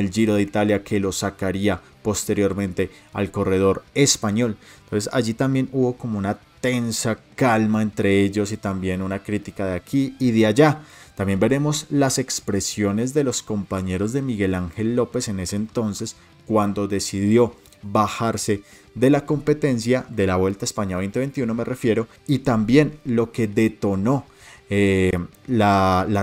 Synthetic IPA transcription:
eld͡ʒiɾo̞ð̞eit̪aljakʰe̞lo̞sakaɾia | po̞st̪e̞ɾjo̞ɾmẽ̞nt̪e̞a̰lko̞re̞ð̞o̞ɾe̞spaɲo̞lnt̪onsesaʝit̪ambje̞nuβo̞komo̞unat̪e̞nsakalmaent̪ɾe̞e̞ʝo̞sit̪ambje̞nunakɾit̪ikaðeakʰiːðeaʝat̪ambje̞mbe̞ɾe̞mo̞slase̞kspɾe̞sjo̞ne̞zd̪e̞lo̞sko̞mpaɲe̞ɾo̞zðe̞miɣe̞laŋxe̞lːo̞pe̞se̞ne̞se̞ent̪o̞nse̞s | kwand̪o̞ðe̞siðjo̞ | baxaɾse̞ | ðe̞lako̞mpe̞t̪e̞ns̬jaðe̞laβwe̞lt̪aespaɲaβe̞jnt̪eβent̪iuno̞mere̞fje̞ɾo̞ | it̪ambje̞nlo̞ke̞ðe̞t̪o̞no̞ | e | lala

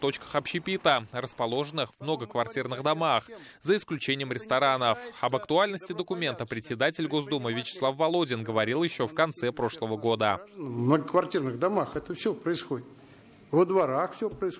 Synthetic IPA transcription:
t̪o̞t͡ɕkə̥xɐpɕɪpʲit̪ərəspɐlˠo̞ʐənɨxvmnoɡəkvɐrtʲirnɨɣd̪ɐmaxzəɪsklʲʉt͡ɕenʲɪjəmɾʲɪst̪ɐɾanəfɐbəkt̪ʊalʲnəsʲtʲɪd̪əkʊmʲe̞nt̪əpɾʲɪtʲsʲɪd̪atʲɪlʲɡo̞zd̪umɨvʲɪt͡ɕɪ̥slˠafvɐlˠo̞dʲɪnɡəvɐɾʲilˠjɪɕːo̞fkɐnt̪sɛpɾo̞ʂlˠəvəɡo̞d̪ənvmnəɡəkvɐrtʲirnɨɣd̪amaxɛt̪əfsʲɵpɾəɪsxodʲɪt̪ | vəd̪vaɾaxfsʲopɾəɪs

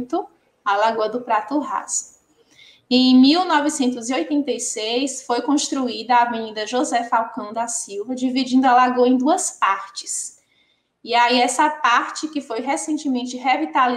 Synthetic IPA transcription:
t̪ʊ | alaɡuɐd̪ʊpɾat̪ʊɦa̰z | ẽj̃miwnɔvɪsẽnt̪ʊziojt̪ẽnt̪ejsejsfojkõst̪ɾuid̪ɐaveɲĩd̪ɐʒozɛfawkɐ̃w̃d̪asiwvɐd͡ʒivid͡ʒĩnd̪ʊɐlaɡoɐẽj̃d̪uɐspaɾt͡ʃɪ̥s | iaiɛsɐpaɾt͡ʃɪkɪfojɦesẽnt͡ʃɪmẽnt͡ʃɪɦevit̪ali

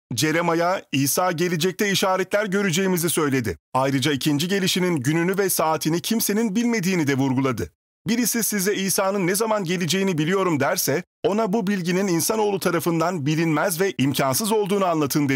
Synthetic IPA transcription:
d͡ʒe̞ɾemajaiːsaːɟe̞lʲed͡ʒɛc̚t̪ʰɛiʃaːɾɛt̪lʲæɾɟø̞ɾyd͡ʒe̞jimizisø̞jlʲe̞d̪ɪ̰ajɾɯd͡ʒaicʰind͡ʒiɟe̞lʲiʃininɟynynyvɛsaːt̪ʰinicʰimse̞ninbilʲme̞d̪iːnid̪ɛvuɾɡulˠad̪ɯ | biɾisisizɛiːsaːnɯnːɛzamanɟe̞lʲid͡ʒe̞jinibilʲijo̞ɾumd̪æɾsɛ | o̞nabubilʲɟinininsano̞ːlˠut̪ʰaɾafɯnd̪anbilʲinmæzvɛʔimcʰansɯzo̞lˠd̪uːnuanlˠat̪ʰɯnd̪e

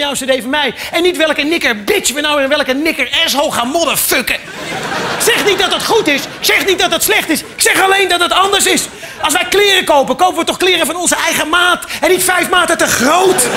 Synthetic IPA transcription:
jawstədejvəmɛj | ɛnːitʋɛlˠkənɪkəɹbɪt͡ʃʋənawɪːɪnʋɛlˠkənɪkəɹɛs̬ɦolˠχaːnmɔdəføkə | sɛχnit̚dɑtɑtχutɪssɛχnit̚dɑtɑtslɛχtɪsksɛχɑlejndɑtdətɑndəɹsɪs | ɑlˠs̬ʋɛjklɪːrəkowpəkowpəʋətɔχklɪːrəvɑnɔnzəɛjχəmaːtɛnːitfɛjfmaːtətəχrowt

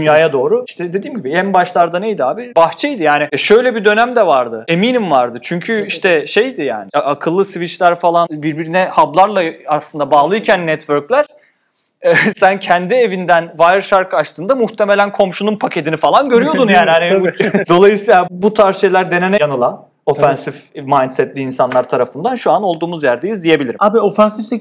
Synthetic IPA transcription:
ynjaːjad̪o̞ːɾuiʃt̪ʰɛd̪e̞d̪iːmɟibiænbaʃlˠaɾd̪anejd̪iaːbibaxt͡ʃʰɛjd̪ijaːnɪjaʃø̞jlʲɛbid̪ø̞næmd̪ɛvaɾd̪ɯe̞miːnimvaɾd̪ɯt͡ʃʰyɲcʰyiʃt̪ʰɛʃe̞jd̪ɪja̰ːnɪʔakʰɯlˠːɯsvit͡ʃlʲæɾfalˠanbiɾbiɾinɛhablˠaɾlˠaaslˠɯnd̪abaːlˠɯjicʰænːɛt̪vøɾclʲæɾ̥ | ɛsæncʰɛnd̪ie̞vind̪ænvajɾʃaɾkʰɯat͡ʃt̪ʰɯːnd̪amuht̪ʰeme̞lʲænkʰo̞mʃununpʰacʰe̞t̪inifalˠanɟø̞ɾyjo̞d̪unjaːnihanid̪o̞lˠajɯsiːlˠabut̪ʰaɾʃejlʲæɾd̪e̞nenɛjanɯlˠan | o̞fɛnsif | majnt̪sɛt̪lʲiinsanlˠaɾt̪ʰaɾafɯnd̪anʃuano̞lˠd̪uːmuzjæɾd̪ejizd̪ije̞bilʲiɾmabio̞fɛnsift̪e

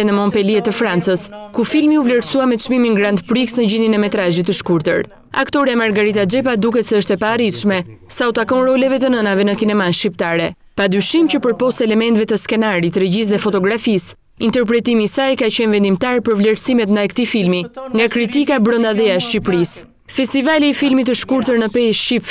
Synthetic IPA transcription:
ɛnəmɔmpɛliɛt̪əfɾant͡səskufilmiuvlɛɾsuamɛt͡ʃmiminɡɾand̪pɾiksnəɟininɛmɛt̪ɾaʒit̪ːəʃkuɾt̪ə̰ɾ | a̰kt̪ɔɾiamaɾɡaɾit̪ad͡ʒɛp̬ad̪ukɛt̪sɛəʃt̪ɛpaːɾit̪ʃmɛsaut̪akɔ̃nɾɔlɛvɛt̪ənənavɛnəkinɛmanʃcipt̪aɾɛ | pad̪yʃimcəpəɾpɔst̪ɛlɛmɛnt̪vɛt̪əskɛnaɾit̪ɾɛɟis̬ðɛfɔt̪ɔɡɾafis | int̪ɛɾp̬ɾɛt̪imisajkacɛnvɛnd̪imt̪aɾpəɾvlɛɾsimɛt̪nd̪ajkət̪ifilmiŋɡakɾit̪ikabɾənd̪aðɛaʃcipɾis | fɛst̪ivaliːfilmit̪̬əʃkuɾt̪əɾnəpɛjʃcip

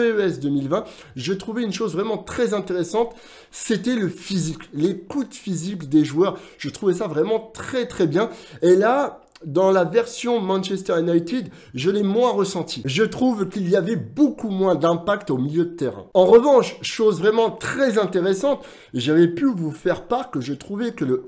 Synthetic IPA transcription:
øɛsd̪əmilvɛ̃ | ʒət̪χuvɛynʃozvʁɛmɑ̃t̪χɛzɛ̃t̪eʁesɑ̃t̪ | set̪ɛləfiziklekut̪fizikd̪eʒwœʁʒ̥ət̪χuvɛsavʁɛmɑ̃t̪χɛt̪χɛbjɛ̃ela | d̪ɑ̃lavɛʁsjɔ̃mɑ̃nʃɛst̪ɛʁjnajt̪id̪ | ʒəlɛmwɛ̃ʁəsɑ̃t̪ʰiʒət̪χuvkʲiliavɛbokumwɛ̃d̪ɛ̃pakt̪omiljød̪ət̪eʁɛ̰̃ɑ̃ʁəvɑ̃ʃʃozvʁɛmɑ̃t̪χɛzɛ̃t̪eʁesɑ̃t̪ | ʒavɛpyvufɛʁpaʁkəʒət̪χuvɛkələ

